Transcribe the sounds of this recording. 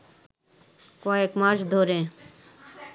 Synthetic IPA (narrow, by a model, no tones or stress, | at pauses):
kɔekmaʃd̪ʱoɾe